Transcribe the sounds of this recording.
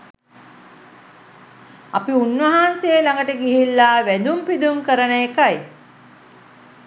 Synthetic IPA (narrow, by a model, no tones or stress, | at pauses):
apiunʋəɦansejəlaŋɡəʈəɡiɦilːaːʋæd̪umpid̪uŋkəɾənəjekaj